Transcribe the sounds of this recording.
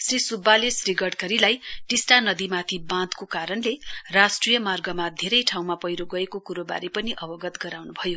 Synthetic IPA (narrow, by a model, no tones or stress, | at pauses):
srisubʱːalesriɡʌɽkʌɾilajʈisʈanʌd̪imat̪ʰibãd̪kokaɾʌnlerasʈrijʌmarɡʌmad̪ʱeɾʌjʈʰaw̃mapʌjɾoɡʌekokuɾoba̰ɾipʌniʔʌbʌɡʌt̪ɡʌɾawnubʱʌjo